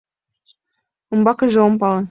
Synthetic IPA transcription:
ŏmbɑkɤʒeompɑlɤ̆n

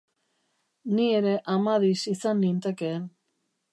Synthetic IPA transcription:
nie̞ɾe̞ʔamaðisisanːint̪eke̞ːn

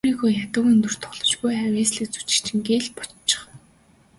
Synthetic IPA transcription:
ɾiːɣoːjat̪ə̆kɵnt̪ɵ̆r̥t̪ʰɔ̥ɮ̥ɞ̥̆t͡ɕpujawʲeːsɮiːk̚t͡su̥t͡ɕɪ̥̆kt͡ɕʰɪ̆ŋɡeːɮpɔ̥t͡ɕt͡ɕːɪ̥̆χ

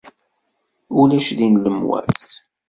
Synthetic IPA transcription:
ulæʃðinləmwæ̰θ

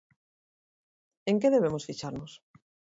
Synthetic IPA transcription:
eŋkeðeβ̞emosfit͡ʃaɾnʊs

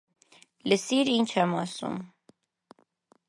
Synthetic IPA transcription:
ləsiɾint͡ʃʰɛmɑsṵm

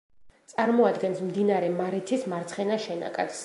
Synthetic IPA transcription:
t̪sʼaɾmɔad̪ɡɛnsmd̪inaɾɛmaɾɛt̪ʰismaɾt̪sʰχɛnaʃɛna̰kʼa̰t̪s

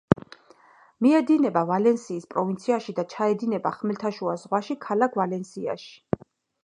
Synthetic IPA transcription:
miɛd̪inɛbavalɛnsiːspʼɾɔvint̪sʰiaʃid̪at͡ʃʰaɛd̪inɛba̰χmɛlt̪ʰaʃuazʁwaʃikʰalakʰvalɛnsia̰ʃi̥

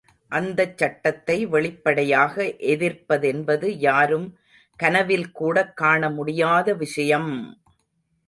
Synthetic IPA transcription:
ʔɐnd̪ɐt͡ʃːɐʈːɐt̪ːɐɪʋɛɭɪpːɐɽɐjaːɣɐʔɛðɪrpːɐðɛnbɐðɯjaːɾɯm | kɐnɐʋɪlkuːɽɐkːaːɳɐmʊɽɪjaːðɐʋɪʂɐjɐm

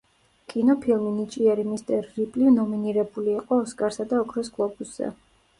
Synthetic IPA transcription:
kʼinɔpʰilˠminit͡ʃʼiɛɾimist̪ʼɛɾːipʼlivnɔminiɾɛbuliaqʼɔːskʼaɾsad̪aɔkʰɾɔsɡʼlˠɔbusz̥ɛ̰

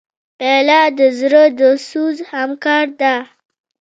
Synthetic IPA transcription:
pelɑd̪əzɾəd̪əsuzhamkɑɾd̪a

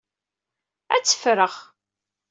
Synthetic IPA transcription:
æ̰t͡sːə̥fɾəʁ

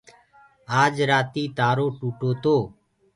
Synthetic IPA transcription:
aːd͡ʒɾaːt̪iːt̪aːɾoːʈuːʈoːt̪oː

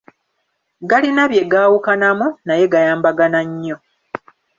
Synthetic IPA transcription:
ɡalinaβje̞ɡaːwukanamunaje̞ɡajaːmbaɡanaɲːo̞

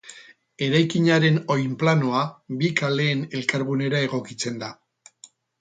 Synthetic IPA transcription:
e̞ɾajkiɲaɾe̞no̞jmplano̞abikale̞ːne̞lkaɾɣune̞ɾae̞ɣo̞kit͡se̞nd̪a

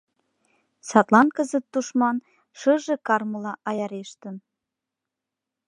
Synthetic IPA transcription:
sɑt̪lˠɑnkəzət̪ːuʃmɑn | ʃɤʒĕkɑrməlɑʔɑjɑɾeʃt̪ən

